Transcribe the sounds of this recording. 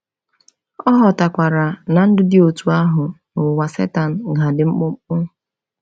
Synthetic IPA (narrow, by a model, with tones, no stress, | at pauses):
ɔ˦ɦɔ˨ta˨kʷa˨ɾa˨na˨n̩˦dʊ˦dɪ˦o˨tu˨a˦ɦʊ˨ | nʊ˨wa˨sḛ˦ta˨n̩˨ɡa˨dɪ˨ŋ͡m̩˦k͡pʊ˦ŋ͡m̩˦k͡pʊ˦ŋ̩˦